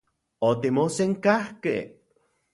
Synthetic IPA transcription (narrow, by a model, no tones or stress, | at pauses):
ot̪imoseŋkahkḛ